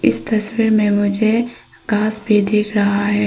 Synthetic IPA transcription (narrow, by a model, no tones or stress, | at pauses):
ɪst̪ɐswiːɾmẽmʊd͡ʒʱe | ɡ̥aːsbʱid̪ʱeːkʰɾɐɦaɦɛː